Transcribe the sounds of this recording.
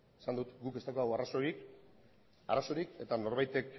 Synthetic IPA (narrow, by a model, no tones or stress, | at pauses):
esand̪ut̪ɡuke̞st̪akoðawarasoɾik | a̰raso̞ɾike̞t̪ano̞ɾβajt̪e̞k